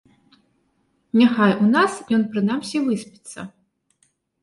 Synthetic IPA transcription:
nʲaxajunasjɔnpɾɨnamsʲivɨspʲi̥t̪sːɐ̰

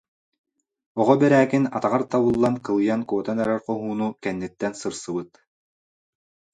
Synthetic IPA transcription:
ɔʁɔbɛɾæːkinat̪aʁaɾt̪aβɯlˠːankɯlˠɯjankuɔt̪anɛɾɛɾqɔɦuːnukɛnːit̪ːɛnsɯɾsɯbɯt̪

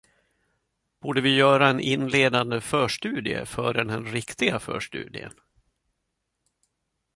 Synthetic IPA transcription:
b̥uːɖəvɪjœːɾaɛnʔɪnːleːd̪and̪əfœːʂʈʉ̟ːd̪ɪə̰fœːɾɛnɛnɾɪkt̪ɪɡafœ̰ːʂʈʉ̟̰ːd̪ɪ̰ə̰n

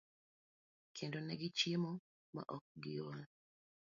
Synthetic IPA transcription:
kʰendonɛɡɪt͡ʃjemɔ | ma̰ʔɔk̚ɡɪjowan

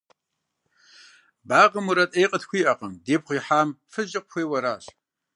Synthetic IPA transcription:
baːʁəmuɾɐtʼejqʼətʰxʷiːʔɐqəmdeːpχʷiːħaːmfɨʒɪqʷʊxʷeːwɐɾaːɕ

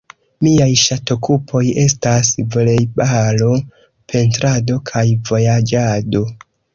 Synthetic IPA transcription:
miajʃato̞kupʰo̞je̞stasvle̞jbalo̞ | pʰe̞ntɾado̞kʰajvo̞jad͡ʒado̞

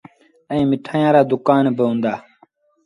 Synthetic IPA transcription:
ə̃ĩːmɪʈʰaːjãːɾaːd̪ʊkaːnbɪɦũːnd̪aː

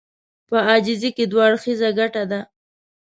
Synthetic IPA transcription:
pəɑd͡ʒɪziked̪waɽxizaɡaʈad̪a

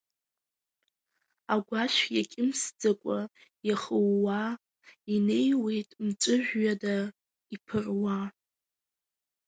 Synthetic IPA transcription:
aɡʷaʃjakʲʼɪmsd͡zakʷʼajaχəwːa | ine̞jwe̞jtʼmt͡sʷʼɨʒʷᶣɥada | ipʰɨrwa

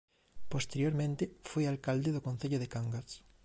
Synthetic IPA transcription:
post̪eɾjoɾmẽnt̪efojalkald̪eðokonθeʎoðekaŋɡas

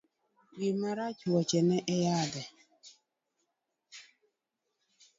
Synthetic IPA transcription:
wimaɾat͡ʃuɔt͡ʃɛnɛʔɛjadɛ

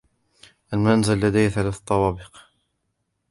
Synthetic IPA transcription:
ʔalmaʔnzalːad̪ajθalaθt̪ˤːɑwɑːbɪq

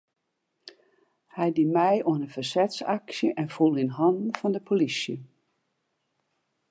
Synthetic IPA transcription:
hɛjdimɛjoənənfərsɛtsaksjəʔɛnfulˠinɦɔndn̩fɔndəpʰolisjə

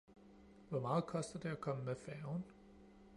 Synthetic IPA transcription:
ʋɒmɑ̈ːð̞̩ˠkʰɒ̽sd̥ɐd̥e̝ækʰɒ̽məmefæʊn

